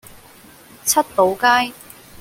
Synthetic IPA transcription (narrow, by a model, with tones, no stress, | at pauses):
t͡sʰɐ˥t̚to˨˥wkaː˥j